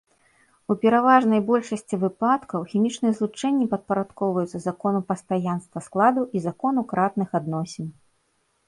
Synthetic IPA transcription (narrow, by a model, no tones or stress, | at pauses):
upʲɛɾavaʐnɐjbɔlʲʂɐsʲt͡sʲivɨplat̪kɐwxʲimʲit͡ʂnɨjɛzlˠut͡ʂɛnʲːipɐt̪̚pɐɾat̪kɔwvɐjut̪sɐzakɔnupɐst̪ajanst̪vɐsklˠad̪uʔizakɔnukɾat̪̚nɨxad̪nɔsʲɛn